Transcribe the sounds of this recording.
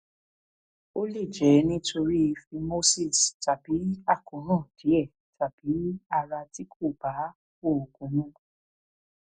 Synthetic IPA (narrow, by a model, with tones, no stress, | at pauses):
o˦li˦˨d͡ʒɛ˨˦nĩ˦tʰo˧ɾi˦˧fi˧mo˦si˦˨sta˨b̥i˨˦a˦˨kõ˨˦nãː˦˨d̥i˨˦ɛ˦˨ | tʰa˨b̥i˨˦a˧ɾa˧ti˦kʰo˦˨b̥a˨˦ | ko˦˨o˨ɡũ˨˦nũ˦